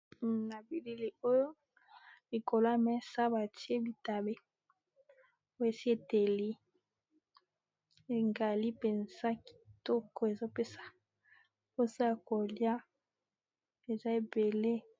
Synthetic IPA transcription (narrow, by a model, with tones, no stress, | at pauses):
na˨bi˨li˦li˦˨o˦jo˦ | li˨ko˨la˦mɛ˦sa˦ba˨ti˦e˦bi˨ta˨be˦ | o˦e˨si˦e˨te˨li˦ | e˨ŋɡa˨li˦pɛ˨nz̥a˦ki̥˨tɔ˦kɔ˨e˨zo˦pe˦sḁ˨ | po˦sa˦˨ko˨lja˦ | e˨za˦e˨be˨le˦